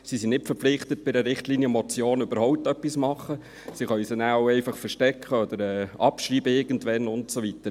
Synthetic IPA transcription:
sisinnɪtfəɾpp͡flɪχtət̚b̥ɪdəɾɪχtliːniəmɔt͡sjoːnøbəɾhɔʊp̚tœpːismɑχːə | siχœʏsənæʊɛɪfɑχfəɾʃtɛkχəɔd̥̪əɾɛːɑpʃriːbəɪɾɡ̥ən̩tvɛnʊntsovitəɾ

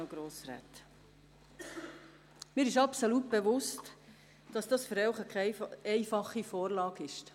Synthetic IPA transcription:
oɡ̥ɾoːsɾæ̰ːt | mɪːɾɪʃɑpsolut̚b̥evʊst | d̥ɑsd̥ɑsfəɾɛʊχəkʰɛɛɪfɑχːifɔːɾlɑːɡɪʃt

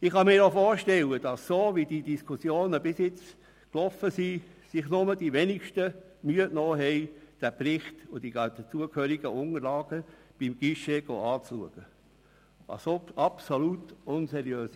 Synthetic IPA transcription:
ɪχhɑmiːɾofoːɾʃtɛləd̥ɑsːoːʋid̥idiskʰusjoːnəbɪsjɪt͡s | klɔfəsisɪχnʊməd̥iʋɛnikʃtə | myətnoːɦɛɪd̥æprɪχtʊd̥id̪ət͡suəkhøːɾiɡ̥əʊŋəɾlɑːɡ̥əb̥imɡ̥iʃeɡ̥o̰ːɑːt͡sluəɡ̥ə | ɑ̰soɑpsolutʊnsɛɾjøːs

